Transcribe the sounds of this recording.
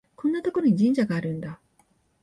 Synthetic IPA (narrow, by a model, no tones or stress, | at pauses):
kõ̞nːat̪o̞ko̞ɾoɲ̟iʑĩɲd͡ʑaɡaːɾɯ̟̃nd̪a